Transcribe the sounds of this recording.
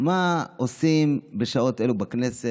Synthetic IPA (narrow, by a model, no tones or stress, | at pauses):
maosimbeʃao̞t̪ʔelubaknese